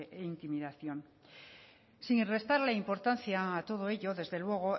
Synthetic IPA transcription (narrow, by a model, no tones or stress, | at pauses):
eint̪imiðaθjo̞n | siŋre̞st̪aɾlaimpo̞ɾt̪anθjaːt̪o̞ð̞o̞e̞ʎo̞ðe̞zðe̞lwe̞ɣ̞o̞